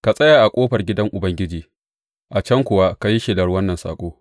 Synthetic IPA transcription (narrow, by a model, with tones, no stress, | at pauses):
ka˨sʼɐ˦jaː˨ʔa˨kʷʼoː˦ɸɐ˨rɡʲɪ˦dɐ˦ŋʔʊ˨bɐ˦ŋɡʲɪ˦d͡ʒiː˨ | ʔa˨t͡ʃɐ˦ŋkʷʊ˨wa˦ka˨ji˦ʃɪ˦dɐ˨rwɐ˦nːɐ˨nsa̰ː˨kʷʼoː˦